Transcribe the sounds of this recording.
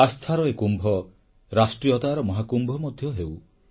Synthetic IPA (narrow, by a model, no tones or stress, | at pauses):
ast̪ʰaɾɔekumbʱɔ | ɾasʈɾijɔt̪aɾɔmɔɦakumbʱɔmɔd̪ʱjɔɦew